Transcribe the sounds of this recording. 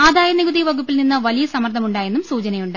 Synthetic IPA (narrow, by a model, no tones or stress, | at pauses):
aːd̪aːjɐniɡud̪iʋɐɡupːilninːɨʋɐlijɐsɐmɐrt̪ʰːɐmuɳɖaːje̞nːumsuːt͡ɕɐnɐjuɳɖɨ